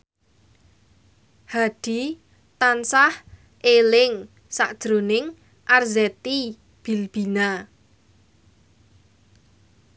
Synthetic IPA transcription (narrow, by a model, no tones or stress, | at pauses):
haɖ̪̥i̤ | t̪ansah | ʔelɪŋ | saʔd̥ʒ̥ɾonɪŋ | ʔarzɛt̪i | b̥i̤lb̥i̤na